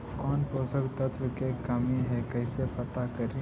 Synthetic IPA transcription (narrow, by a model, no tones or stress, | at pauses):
kɔːnpoːsəkt̪ət̪ʰwəkekɐmiɦɛkɛɪsepɐt̪akɐɾi